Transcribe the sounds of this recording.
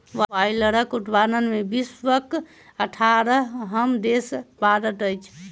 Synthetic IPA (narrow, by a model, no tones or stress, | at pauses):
ʋajləɾəkuʈ̪ʰbanənmebisʋək̚ | əʈʰaɾəɦɦəmd̪espad̪ət̪əjt͡ʃʰ